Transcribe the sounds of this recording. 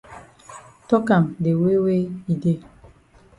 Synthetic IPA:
tɔ˦kã˨mde˨we˦we˦i˨de˦

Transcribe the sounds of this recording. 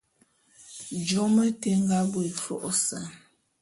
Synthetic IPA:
d͡ʒɔ˨˦mə˦te˦ŋɡa˦bo˦e˨fɔ̰˦ʔsa˨

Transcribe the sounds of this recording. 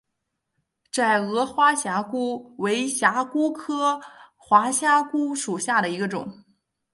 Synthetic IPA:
t͡sa˥˩ɪɤ˧˥xwa˥ɕja˧˥ku˥we˧˥ɪɕja˧˥ku˥kʰɤ˥xwa˧˥ɕja˥ku˥ʂu˨˩ɕja˥˩ɾə˩i˧˥ɡə˧ʈ͡ʂʊ̰˨˩˦ŋ

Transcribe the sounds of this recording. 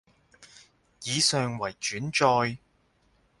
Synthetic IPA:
jiː˨˧sœː˨ŋwɐ˨˩jt͡ʃyː˨˥nt͡ʃɔː˧j

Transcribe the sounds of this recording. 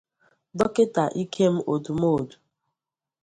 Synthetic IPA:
dɔ˦ke˦ta˨ʔi˦kʰe˦m̩˦ʔo˨du˨mo˦o˨du̥˨

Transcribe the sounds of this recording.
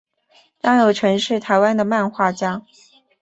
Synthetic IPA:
t̪ɑ˥ŋjo˨˩ʊʈ͡ʂʰɤ˧˥ŋʂɻ̩˥˩t̪ʰa˨˧˥ɪwa˥nd̪ə˨ma˥˧nxwa˥˩t͡ɕja˥

